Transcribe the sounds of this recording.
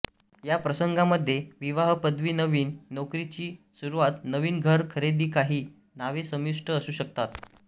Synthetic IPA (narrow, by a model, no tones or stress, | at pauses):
japɾəsəŋɡaməd̪ʱːjeʋiʋaɦpəd̪ʋiːnəʋiːnːokɾit͡ɕiːsuɾuʋat̪nəʋiːnɡʱəɾkʰəɾed̪iːkaɦiː | naʋesəmjuʂʈəːsuːɕək̚t̪at̪